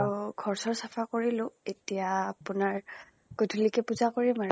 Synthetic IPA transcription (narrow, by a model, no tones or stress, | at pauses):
uɡʱɔɹsɔɹsapʰakoɹilʊ̃etijaːpʊnaɹ | ɡ̥odʱulikɛpuzakoɹimaɹ